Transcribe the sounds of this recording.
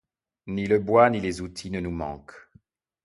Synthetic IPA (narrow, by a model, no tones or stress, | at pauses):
niləbwanilezut̪ʰinənumɑ̰̃k